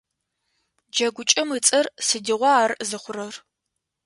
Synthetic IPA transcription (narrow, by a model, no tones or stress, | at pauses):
d͡ʒɐɡʷʊt͡ʃʼɐmɨt͡sʼɐrsɨdɨʁʷɔaːrzɨχʷʊrɐr